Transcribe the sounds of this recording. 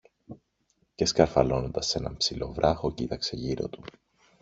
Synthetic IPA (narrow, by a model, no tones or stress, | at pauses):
ceskɐɾfɐlo̞no̞nd̪ɐse̞nɐmpsilo̞vɾʔɐxo̞cit̪ɐkse̞ʝiɾo̞̰t̪u̥